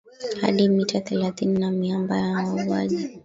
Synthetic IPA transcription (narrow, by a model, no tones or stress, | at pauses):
ha̰ɗimitaθɛlaθininamiambajawavua̰ʄi